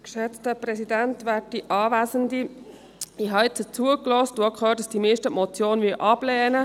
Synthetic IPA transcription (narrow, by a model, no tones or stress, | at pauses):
kʃɛt͡stəpɾɛsidæntʋæːt̚diʔɑːʋæːzəndi | iɦɑɪt͡sət͡suəklɔst̚d̥̪uɑkʰχøːtəsd̥imeːʃtəmɔt͡sjoːnʋiʔɑb̥lɛːnə